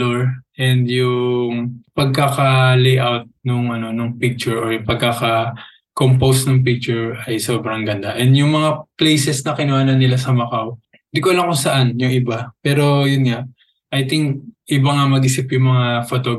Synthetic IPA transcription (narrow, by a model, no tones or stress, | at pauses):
oɹʔɛnd̪jʊŋpɐɡ̚kakɐlejʔawt̪̚nʊŋʔɐno̞nʊŋpɪk̚t͡ʃʊɹoɹʊpɐɡ̚kakɐ | kompowsnɐŋp̬ɪk̚t͡ʃʊɹɐjsoːbɾɐŋɡɐnd̪aʔɛnd̪jʊŋmɐŋaplɛjsɛsnɐkɪnʊaːnɐnːɪlasɐmɐkaw | nd̪ikolɐŋkʊsɐʔanjʊŋʔɪbapɛːɾo̞jʊnŋaʔ | ʔɐjt̪ɪŋk̚ʔɪbaŋamɐɡʔɪsɪpjʊŋmɐŋafot̪oɡ